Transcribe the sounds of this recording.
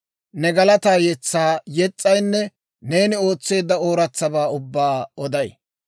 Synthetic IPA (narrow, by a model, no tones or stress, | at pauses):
nɛɡɐlɐt̪aːjɛt͡sːaːjɛt͡sʼːɐjnːɛ | ne̞ːnɪo̞ːt͡sːe̞ːd̪ːɐoːɾɐt͡sːɐbaːʊbːaːɔd̪ɐj